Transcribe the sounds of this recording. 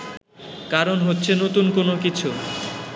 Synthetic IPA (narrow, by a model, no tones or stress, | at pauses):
kaɾonɦotːɕʰenot̪unkonokit͡ɕʰu